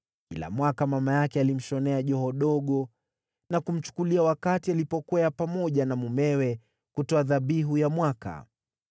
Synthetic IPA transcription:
kila̰mwakamamajakɛalim̩ʃɔnɛaʄɔɦɔɗɔɠɔ | nakum̩t͡ʃu̥kuliawakatialipɔkuaapamɔʄanamumɛwɛ | kutɔaðaɓiɦujamwaka̰

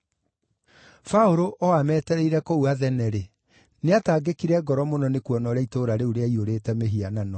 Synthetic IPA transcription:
faoɾoʔɔamɛːtɛɾɛiɾɛkouaðɛnɛɾe | neataːɡekiɾɛɡɔɾɔmonɔnekuɔnɔɾeaitoːɾaɾeuɾeaioɾeːtɛmeɦiananɔ

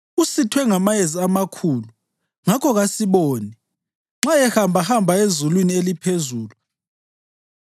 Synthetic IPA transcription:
usitʰwɛŋamajeziamakʰuːlu | ŋakʰɔɣasiɓoːni | ŋ͡ǁaɛhambʱahambʱaezulwinielipʰezuːlu

